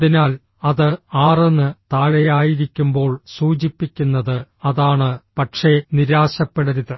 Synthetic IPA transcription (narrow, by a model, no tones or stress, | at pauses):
ðinaːl | ɐðɨaːrenːɨt̪aːɭejaːjiɾikʲːumbo̞ːɭsuːt͡ɕipːikʲːunːɐðɨɐðaːɳɨpɐʈʂe̞niɾaːɕɐpːeɽɐɾuðɨ